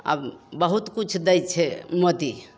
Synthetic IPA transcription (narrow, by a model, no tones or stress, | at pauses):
a̰bbəɦut̪kut͡ʃʰd̪əjt͡ʃʰɛmot̪i